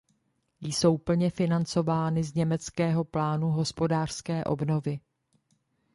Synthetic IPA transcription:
jso̞wpl̩ɲɛfɪnant͡so̞vaːnɪzɲɛmɛt͡skɛːɦo̞plaːnuɦo̞spo̞daːr̝̥skɛːʔo̞̰bno̞vɪ

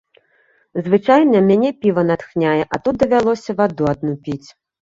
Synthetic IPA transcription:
zvɨt͡ʂajnɐmʲanʲɛpʲivɐnat̪xnʲajɛʔɐt̪ut̪̚d̪ɐvʲalˠɔsʲɐvad̪uad̪nupʲit͡sʲ

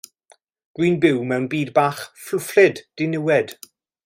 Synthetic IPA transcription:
ɡ̥wiːnbɪwmɛwnbiːdbaːχflʊflɪdd̥ɪnɪwɛd̥

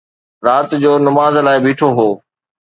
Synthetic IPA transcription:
ɾaːt̪d͡ʑoːnʊmaːzlaːɪbiːʈʰoɦoː

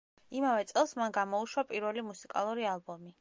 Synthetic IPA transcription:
imavɛt̪sʼɛlˠsmanɡamɔuʃwapʼiɾvɛlimusikʼalˠuɾialˠbɔmi

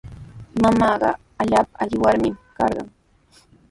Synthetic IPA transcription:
mamɑːɢɑ̰ | aʎaːpḁaʎɪwaɾmɪmkɑɾɢɑ̰ŋ

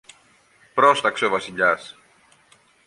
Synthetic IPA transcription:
pɾost̪ɐkseovɐsiʎɐs

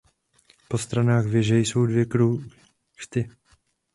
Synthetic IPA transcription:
po̞st̪ɾanaːɣvjɛʒɛjso̞wdvjɛkɾuː | t͡ʃt̪ɪ

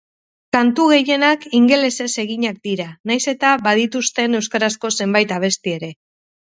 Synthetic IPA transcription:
kant̪uɣ̞e̞je̞nakiŋɡe̞le̞se̞se̞ɣ̞iɲak̚d̪iɾanajse̞t̪aβaðit̪ust̪e̞ne̞wskaɾasko̞se̞mbajt̪aβ̞e̞st̪ie̞ɾe̞

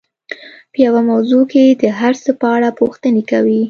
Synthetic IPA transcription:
pəjawamawzoked̪əɦaɾsəpəaɽapoxt̪ənekawi

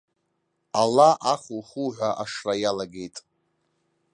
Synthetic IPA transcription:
alaaχuχuʕʷaʔaʂrajalaɡʲe̞jtʼ

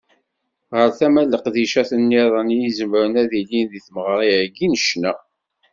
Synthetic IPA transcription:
ʁəɾθæmæləqðiʃæθənːiɾˤɑnijizəmɾənæðilinðiθməʁɾˤiɡinəʃnæ

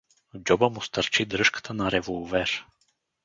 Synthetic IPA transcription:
d͡ʒɔbəmʊst̪ɐɾt͡ʃid̪ɾɤʃkə̥t̪ʰənɐɾɛvolˠvɛɾ

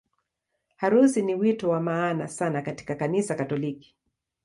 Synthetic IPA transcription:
haɾusiniwitɔwamaːna̰sanakati̥kakanisakatɔliki̥

